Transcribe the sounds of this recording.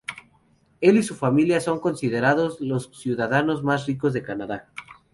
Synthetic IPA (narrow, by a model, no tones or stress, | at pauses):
e̞lisufamiljaso̞ŋko̞nsiðe̞ɾaðo̞zlo̞ssjuðaðano̞zmasriko̞zðe̞kanaða